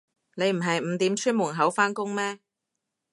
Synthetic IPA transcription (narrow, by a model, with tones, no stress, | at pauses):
ne˨˧jm̩˨˩ɦɐ˨jm̩˨˧t̪iː˨˥mt͡ʃʰy˥nmʊ˨˩nɦɐ˨˥wfaː˥nkʊ˥ŋmɛː˥